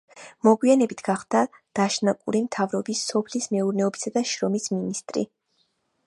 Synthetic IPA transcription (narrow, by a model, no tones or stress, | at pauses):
mɔɡwianɛbit̪ʰɡ̥aχd̪̥ad̪̥aʃnakʼṵɾimt̪ʰavɾɔbisːɔpʰlismɛuɾnɛɔbisad̪aʃɾɔmisminist̪ʼɾḭ